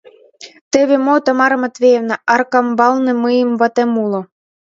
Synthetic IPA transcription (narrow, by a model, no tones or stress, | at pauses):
t̪ĕβemot̪ɑmɑɾɤ̆mɤ̆t̪βevnɑ̆ʔɑrkɑmbɑlnĕmɨjə̆mvɑt̪emulŏ